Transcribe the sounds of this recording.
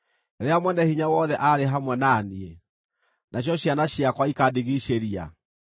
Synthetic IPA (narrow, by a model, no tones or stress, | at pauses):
eɾeamwɛnɛhiɲawɔðɛʔaɾeɦamwɛnaːnie | nʔaɕ̬jɔɕjanaɕiakwaikadiɣiʃeɾia̰